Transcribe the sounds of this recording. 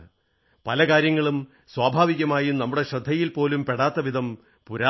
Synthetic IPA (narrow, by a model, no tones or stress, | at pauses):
pɐlɐkaːɾjɐŋːɐɭum | swaːbʱaːʋiɣɐmaːjinɐmːuɽe̞ɕrɐd̪ʱːɐjilpo̞ːlumpeɽaːt̪ːɐʋid̪ʱɐm | puɾaː